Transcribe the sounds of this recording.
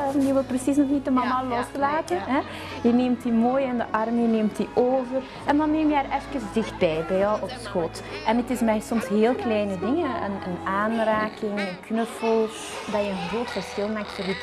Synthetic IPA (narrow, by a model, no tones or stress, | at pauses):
jəʋɪlˠprəsis̬nɔxnit̚dəmɑmɑlɔstlaːtənɦɛ | jəneːmtimoːjɪndəʔɑrmjəneːmtiʔoːvər | ʔɛndɑnːeːmjəɛɾɛfkəzdɪxt̚bɛjbɛjɔwɔpsxot | ʔɛnətɪsmɛjsɔmsɦeːlˠklɛjnədɪŋəə̰nə̰naːnraːkɪŋənknəfɔlˠ | dɑjəənɣroːtfərskɪlˠmak̚tfərit